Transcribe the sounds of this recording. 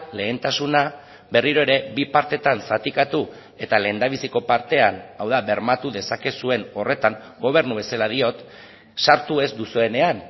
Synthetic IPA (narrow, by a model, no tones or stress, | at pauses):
le̞ːnt̪asuna | be̞riɾo̞e̞ɾe̞βipaɾt̪e̞t̪ansat̪ikat̪u | e̞t̪ale̞ːnd̪aβ̞isiko̞paɾt̪e̞anawðaβe̞ɾmat̪uðe̞sake̞sue̞no̞re̞t̪aŋ | ɡo̞β̞e̞ɾnuβe̞salað̞io̞t̪ | saɾt̪ue̞zd̪usue̞ne̞an